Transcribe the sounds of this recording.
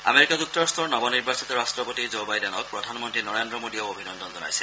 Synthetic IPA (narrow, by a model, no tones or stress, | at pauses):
a̰meɹikazuktɔɹast̪ʰɔɹnɔbɔniɹbasitɔɹastɹɔpotizobajdɛnɔk̚pɹɔdʱanmɔntɹinɔɹendɹɔmodiaʊobʱinɔndʱɔnzɔna̰jsɛ̥